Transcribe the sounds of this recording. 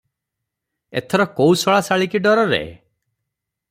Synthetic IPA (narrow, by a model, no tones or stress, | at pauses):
ḛt̪ʰɔɾɔkowsɔɭasaɭikiɖɔɾɔɾḛ